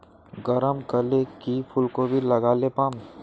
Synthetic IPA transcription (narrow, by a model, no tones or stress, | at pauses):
ɡəɾəmkɐlekipʰʊlkobʱilɐɡaːlepaːm